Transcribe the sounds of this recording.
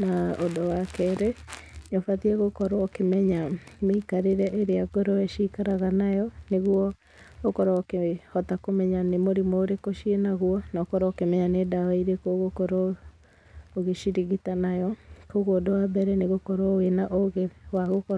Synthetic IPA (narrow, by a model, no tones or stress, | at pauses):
naodɔwakɛɾenofatiɛɣokɔɾokemɛɲameikaɾeɾɛʔeɾeaɡɔɾɔeʃikaɾaɣanajɔneɣwɔ | ɣokɔɾaokehɔtakomɛɲanemoɾimooɾekoʃienaɣuɔnaokɔɾaokemɛɲanedawaiɾekoɣokɔɾɔ | oɣeʃiɾiɣitanajɔkoɣodowabɛɾɛneɣokɔɾɔenaʔoɣewaɣokɔ